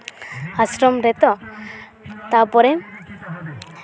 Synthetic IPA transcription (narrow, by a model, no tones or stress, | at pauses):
asɾɔmɾɛt̪ɔ | t̪apɔɾɛ